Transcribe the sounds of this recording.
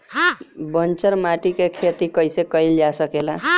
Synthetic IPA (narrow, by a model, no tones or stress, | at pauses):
ɦãbənt͡ʃəɾmaʈikekʰet̪ikʌjsekʌjld͡ʒasəkelaɦ